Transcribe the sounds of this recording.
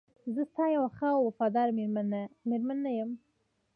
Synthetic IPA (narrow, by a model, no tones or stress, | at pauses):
zəst̪ɑjawaxawwafɑd̪ɑɾmeɾanameɾmanːajəm